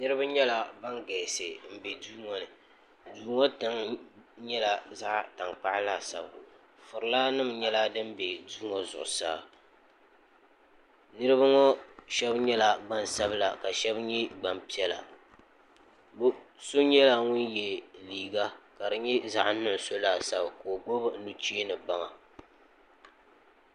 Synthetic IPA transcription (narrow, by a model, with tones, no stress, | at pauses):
nɨ˦ɾɨ˦ba˦ɲɛ˦la˨ba˦ŋɡɛː˨sɨ˨m̩˨bɛ˨duː˦ŋɔ˦nɨ˨ | duː˨ŋɔ˦ta˨˦ŋɲɛ˦la˨za˦ʔta˨ŋk͡pa˦ʔɪ˦la˦˨sa̰˨ba˨ | fʊ˨ɾɨ˨la˦nɨ˦mɲɛ˦la˦dɨ˦m˦bɛ˨duː˦ŋɔ˨zʊ̰˨ʔʊ˨sa̰ː˦ | nɨ˦ɾɨ˦ba˦ŋɔ˦ʃɛ˦bɲɛ˦la˨ɡ͡ba˦nsa˦bla˨ka˨ʃɛ˦bɲɛ˦ɡ͡ba˨mpi˦ɛ˦la̰˨ | b | so˦ɲɛ˦la˦ŋʊ˦njɛ˨liː˨ɡa˦ka˨ɾɨ˨ɲɛ˦za˦ʔnʊ˦ʔso˦laː˦˨sa˦bko˨o˨ɡ͡bo˦bɨ˦nu˦t͡ʃi˦nɨ˨ba˦ŋa˨